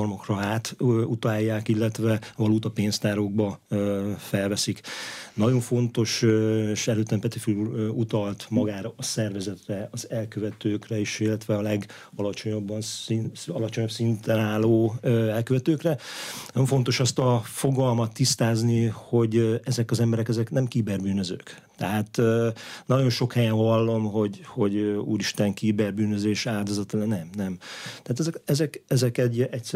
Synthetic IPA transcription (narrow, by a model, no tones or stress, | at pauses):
rmokrɒaːt̪ːut̪ɒjːaːkilːɛt̪ʋɛvɒluːt̪ɒpeːnst̪aːɾoːɡ̚bɒ | fɛlvɛsiknɒɟo̞ɱfo̞nt̪o̞ʃʃɛløːt̪ːɛmpɛt̪ifyluut̪ɒlt̪mɒɡaːɾɒːsɛrvɛzɛt̪rɛɒzɛlkøvɛt̪øːkrɛeʃilːɛt̪ʋɛɒlɛɡ | ɒlɒt͡ʃo̞ɲobːɒnɒlɒt͡ʃo̞ɲɒpsint̪ɛnaːloːøɛlkøvɛt̪øːkrɛnɒjo̞ɱfo̞nt̪o̞ʃɒst̪ɒfo̞ɡɒlmɒt̪ːist̪aːzniho̞ɟɛzɛkɒzɛmbɛɾɛkɛzɛknɛmkiːbɛrbyːnøzø̰ːk | t̪ɛɦaːt̪ønɒɟo̞nʃo̞khɛjɛnɦɒlːo̞mɦo̞ɟho̞ɟøṵːɾiʃt̪ɛŋkiːbɛrbyːnø̞zeːʃaːld̪ozɒt̪ɒlnɛmnɛmt̪ɛat̪ɛzɛkɛzɛkɛzɛkɛɟɛcs